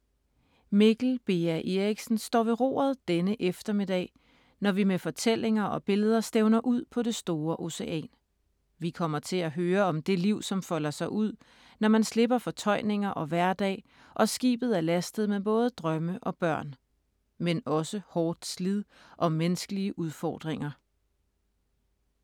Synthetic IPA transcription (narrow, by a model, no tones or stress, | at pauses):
meɡ̥l̩b̥e̝æʔe̝ʁiɡ̥sn̩sd̥ɒ̰ːʋe̝ʁo̝̰ːð̞ˠd̥enəʔefd̥ɐme̝d̥ɛ̰ː | nɒʋimefɒ̽t͡sʰel̰e̝ŋɐʔɒ̽b̥e̝ləð̞ˠɐsd̥eʊnɐʔuð̰ˠpʰɒ̽ɾ̥e̝sd̥o̝ːɐʔo̝se̝ʔɛ̰ːn | ʋikʰɒ̽m̰ɐt͡sʰe̝læɦøːɐɒ̽md̥e̝liʊ̰sɒ̽mfɒ̽l̰ɐsɑ̈ɪʔuð̞̰ˠ | nɒmænsle̝b̥ɐfɒ̽t͡sʰɒ̽ɪ̰ne̝ŋɐʔɒ̽ʋæɐ̰d̥ɛ̰ː | ʔɒ̽sɡ̥ḭːb̥ð̞̩ˠæɐlæsd̥ð̞̩ˠmeb̥ɔ̽ːð̞ˠəd̥ʁɶməʔɒ̽b̥ɶɐ̰n | menɒ̽səhɒːd̥slið̰ˠʔɒ̽menəsɡ̥əliəʔuð̞ˠfɒ̰ːd̥ʁeŋɐ